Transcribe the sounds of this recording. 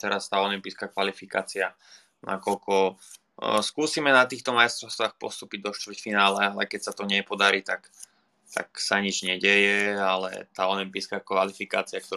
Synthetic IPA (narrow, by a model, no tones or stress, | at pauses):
t̪ɛɾast̪aːɔlimpiːskaːkʋalifika̰ːt͡sia | nʔa̰kɔlkɔ | skuːsiːmɛnat̪iːxt̪ɔmajst̪ɾɔʊst̪ʋaːxpɔ̰st̪uːpiɟ̚d̪ɔʃt̪vr̩cfinaːlɛalɛkɛcsat̪ɔɲɛpɔd̪aɾiːt̪ak | t̪a̰ksaɲid͡ʒɲɛɟɛjɛalɛ̰t̪aːɔlimpiːskaːkʋalifika̰ːt͡siak̚t̪ɔ